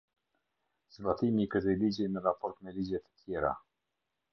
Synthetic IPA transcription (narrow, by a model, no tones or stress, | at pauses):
zbat̪imikəθɛlid͡ʑɛmɛrapɔɾt̪mɛlid͡ʑɛt̪ə̥t̪ʰjɛɾa̰